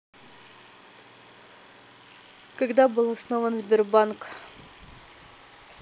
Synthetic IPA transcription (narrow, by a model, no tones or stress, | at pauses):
kɐɡd̪abɨlˠɐsnovənzʲbʲɪrbank